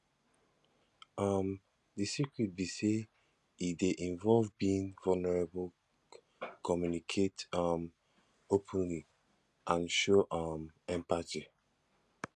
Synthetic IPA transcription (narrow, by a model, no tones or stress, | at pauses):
ʔʌm | disikɹit̚bise | ideʔĩnvɔlvbiĩŋvɔlnɛɹebul | kʰɔmjunikʰetʌm | opʰə̃nli | ʔãnʃoʔʌmɛ̃mpati